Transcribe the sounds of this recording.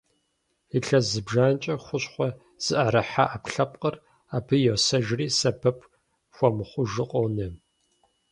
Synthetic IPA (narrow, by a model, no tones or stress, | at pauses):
iɬɐzɨbʒaːnt͡ʃʼɐχʷʊɕχʷɔ | z̥ɨʔɐɾɐħa̰ʔapɬɐpqʼər | aːpʰɨjosɐʒriːsɐbʰɐpʰ | xʷɔmɨχʷʊʒɨqʼownɨ